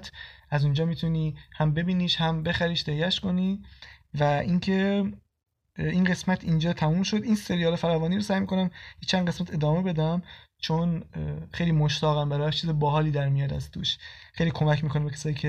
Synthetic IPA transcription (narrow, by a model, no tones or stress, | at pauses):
t̪ʰæzund͡ʒɒːmiːt̪ʰuniːhæmbe̞biːniːʃhæmbe̞xæɾiːʃt̪ehjæʃko̞nivæʔincʰe̞ | inɢe̞smæt̪ʰind͡ʒɒːt̪ʰæmuːmʃo̞d̪inse̞ɾijɒːlefæɾævɒːniːɾosæjmiːkʰo̞næmjet͡ʃʰænd̪ɢe̞smæt̪ʰe̞d̪ɒːme̞be̞d̪æmt͡ʃʰonxe̞jliːmoʃt̪ʰɒːɣæmbæɾɒːjʃt͡ʃʰiːzebɒːɦɒːliːd̪æɾmijɒːd̪æzt̪ʰuʃxejliːkʰo̞mæcmiːkonebecʰæsɒːjiːcʰe